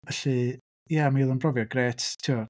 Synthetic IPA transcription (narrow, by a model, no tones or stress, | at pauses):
vɛɬi | jamailˠənbrɔvjɔɡɾeːttʰuɔ